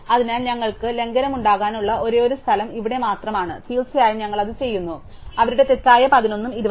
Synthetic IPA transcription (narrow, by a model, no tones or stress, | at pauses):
ɐðinaːlɲɐŋːɐɭkɨle̞ŋɡɐnɐmuɳɖaːɣaːnuɭːɐʔo̞ɾeːoɾust̪ʰɐlɐmiʋiɽe̞maːt̪rɐmaːɳɨfiːlsijaːjiɲɐŋːɐɭɐðɨt͡ɕe̞jːunːu | ɐʋɐɾuɽe̞t̪e̞tːaːjɐpɐðino̞nːumiɾuʋɐ